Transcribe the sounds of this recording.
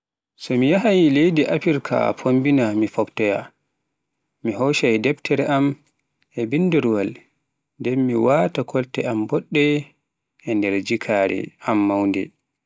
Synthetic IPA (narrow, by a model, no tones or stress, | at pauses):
sɔmijaɦajlejdiʔapiɾkʰa̰pʰombinamifɔptɔja̰ | miɦɔʃajdɛbtʰɛɾɛʔam | ɛbinːdiɾwal | ndɛmːiwaːtakʰɔltɛambɔɗːɛ | ɛndɛɾd͡ʒikʰaɾɛ̰amːawndɛ̰